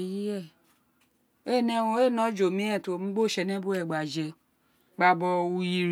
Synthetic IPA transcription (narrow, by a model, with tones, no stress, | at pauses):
ji˦ɛ˦˨ | e˦˨nɛ˦wõ˧˦e˦˨nɔ̃˨˦d͡ʒo˨mĩ˦ɛ̃˦˨to˨m̩̃˦ɡ͡bo˦˨ʃɛ˧nɛ̃˦bo˦ɛ˨ɡ͡ba˨d͡ʒɛ˧ | ɡ͡ba˨bɔ˧u˧ji˨ɾ